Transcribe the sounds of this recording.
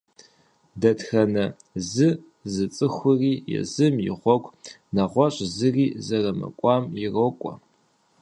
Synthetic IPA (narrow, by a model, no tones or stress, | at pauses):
dɐtxɐnɐ | zɨ | zɨt͡sʼɨxʷʊriːjɛ̰zɨmjɪ̰ʁʷɔɡʷ | nɐʁʷɔɕʼzɨriːzɐrɐmɐ̰kʷʼɑːmjɪrokʷʼɔ̰